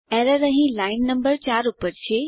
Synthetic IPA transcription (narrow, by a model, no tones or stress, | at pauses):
ɛːɾəɾəɦĩlaːɪnːɐ̃mbəɾt͡ɕaːɾʊpəɾt͡ɕʰeː